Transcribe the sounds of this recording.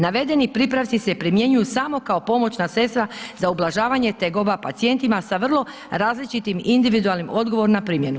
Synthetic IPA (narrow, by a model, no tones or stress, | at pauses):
naʋe̞d̪e̞nipɾipɾaʋt̪ise̞pɾimje̞ɲujusamo̞kao̞po̞mo̞t͡ɕnase̞st̪ɾazaublˠaʒaːʋaɲe̞t̪e̞ɡo̞bapat̪sie̞nt̪imasaʋr̩lˠo̞ | ɾaːzlit͡ʃit̪imind̪iʋid̪ualˠnimo̞d̪ɡo̞ʋo̞ɾnapɾimje̞nu